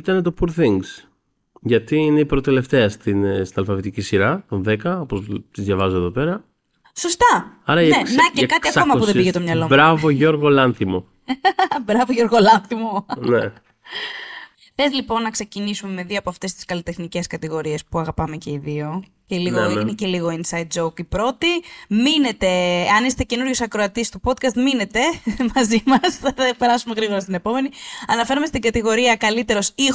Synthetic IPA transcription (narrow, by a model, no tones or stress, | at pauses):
it̪ɐne̞t̪opuɾθiŋɡs | ʝɐt̪iine̞ipɾot̪e̞le̞ft̪eɐst̪inst̪inɐlfɐvit̪icisiɾɐt̪onðekɐopozt̪izðjʝɐvɐzoeðo̞pe̞ɾɐ | so̞st̪ɐɐɾɐneknnecekɐt̪iɐkomɐppuðebiʝet̪o̞mɲɐlo̞bɾɐvoʝo̞ɾɣolɐnθimo̞ | bɾɐvoʝo̞ɾɣolɐnθimo̞ne | θe̞zlipo̞nːɐkse̞cinisume̞me̞ðioɐpoɐft̪e̞st̪i̥skɐlit̪e̞xnice̞skɐt̪iɣo̞ɾie̞spuɐɣɐpɐme̞ce̞iðio̞celiɣoinece̞liɣo̞insɐjt̪̚d͡ʒoukipɾo̞t̪imine̞t̪e̞ɐnist̪ece̞nuɾʝo̞sɐkɾo̞ɐt̪ist̪upo̞t̪̚kɐst̪mine̞t̪e̞mɐzimɐsθɐpe̞ɾɐsume̞ɣɾiɣo̞ɾɐst̪ine̞po̞me̞niɐnɐfe̞ɾome̞st̪iɡɐt̪iɣo̞ɾiɐkɐlit̪e̞ɾosi